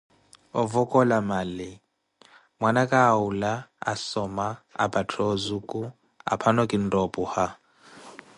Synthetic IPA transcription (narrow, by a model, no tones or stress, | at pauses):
ɔvɔkʼɔlamalɪ | mwanakʼaːulaa̰sɔmaa̰batʰɔzukʼu | a̰pʰanɔkʼin̩dɔpʼuha